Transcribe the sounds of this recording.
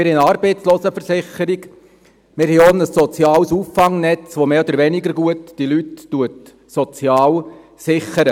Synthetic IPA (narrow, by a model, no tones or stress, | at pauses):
mɪɾhɛɑːɾbeɪt͡sloːsəfəɾsɪχəɾiɡ | mɪɾhɛonəsːɔt͡sjɑːlsuːfːɑŋnɛt͡sʋomeːɔd̪əɾʋɛnɪɡəɾɡuətd̥ilytːuət | sɔt͡sjɑːl | sɪχəɾə